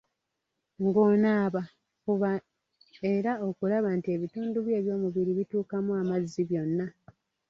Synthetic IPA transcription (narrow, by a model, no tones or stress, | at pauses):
ŋɡo̞ːnaːβa | kuβa | e̞ɾao̞kulaβantie̞βituːnduβje̞ːβjo̞ːmuβiɾiβituːkamuamazːiβjo̞nːa